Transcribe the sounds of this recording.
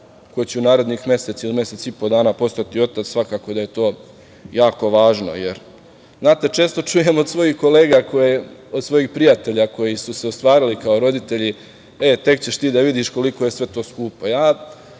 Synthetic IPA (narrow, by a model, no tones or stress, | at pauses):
ko̞jet͡ɕeunaːɾe̞d̪nixmje̞se̞t̪silime̞se̞t̪sipo̞d̪aːnaːpo̞st̪at̪io̞t̪at̪sʋakaːko̞d̪aje̞t̪o̞ː | jaːko̞ʋaːʒno̞̰jḛɾ | znaːt̪e̞t͡ʃe̞ːst̪ot͡ʂuje̞mod̪sʋo̞jixko̞le̞ːɡakoeo̞d̪sʋo̞jixpɾijat̪e̞ʎako̞jisuse̞ost̪ʋaːɾilikaoɾo̞d̪it̪e̞ʎi | e̞t̪e̞kt͡ɕeʃt̪iːd̪aʋid̪iʃko̞liko̞jesʋe̞t̪o̞ːskuːpo̞jaː